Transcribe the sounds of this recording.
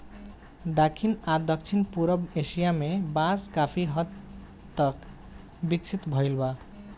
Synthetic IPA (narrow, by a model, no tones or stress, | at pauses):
d̪akʰinad̪ək̚t͡ʃʰinpuɾəbesijamebãskapʰiɦʌd̪ | t̪ək | bikt͡ʃʰit̪bʱəjlba